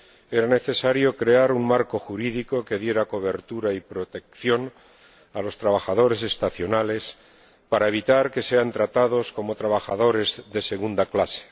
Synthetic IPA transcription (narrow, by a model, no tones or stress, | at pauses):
e̞ɾane̞θe̞saɾjo̞kɾe̞aɾuŋmaɾko̞xuɾiðiko̞ke̞ðje̞ɾako̞βe̞ɾt̪uɾaipɾo̞t̪e̞kθjo̞n | alo̞st̪ɾaβaxaðo̞ɾe̞se̞st̪aθjo̞nale̞s | paɾae̞β̞it̪aɾke̞se̞ant̪ɾat̪að̞o̞sko̞mo̞t̪ɾaβaxaðo̞ɾe̞zðe̞se̞ɣ̞und̪aklase̥